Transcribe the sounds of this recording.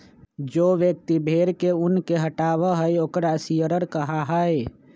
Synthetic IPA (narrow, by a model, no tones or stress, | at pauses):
d͡ʒoːʋjək̚t̪ibʱeɾkeʊnkeɦəʈaːβəɦəjoːkɾasijəɾəɾkəɦaɦəj